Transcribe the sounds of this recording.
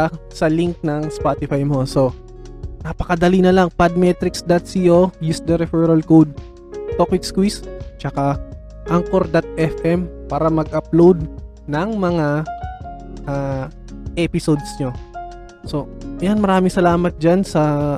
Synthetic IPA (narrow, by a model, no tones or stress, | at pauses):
asɐliŋk̚nɐŋspaːt̪ɪfajmo̞so̞ | nɐpɐkɐd̪ɐlinɐlɐŋpad̪̚mɛt̪ɾɪksd̪ɐt̪siːʔo̞jusd̪ɐɾɛfɛɾɐlkowd̪̚ | t̪okwɪt̪skwist͡ʃɐka | ʔɐŋkoɾd̪ɐt̪̚ʔɛfʔɛmpaːɾɐmɐɡ̚ʔɐplowd̪̚ | nɐŋmɐŋa | ʔaː | ʔɛpɪsod̪sɲo̞ | so̞janmɐɾaːmɪŋsɐlaːmɐt̪̚d͡ʒansɐ